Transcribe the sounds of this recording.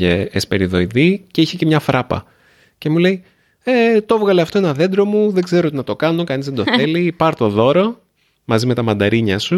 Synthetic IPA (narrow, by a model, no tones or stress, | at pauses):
eːspe̞ɾiðo̞iðiceiçe̞ce̞mɲɐfɾɐpɐ̰ | ce̞mule̞i | et̪ovɣɐleɐft̪oenɐðe̞nd̪ɾo̞muðe̞ɡze̞ɾoot̪inɐt̪o̞kɐno̞kɐnizðed̪oθθe̞lipɐɾt̪o̞ðo̞ɾo̞ | mɐzime̞t̪ɐmɐnd̪ɐɾiɲɐsu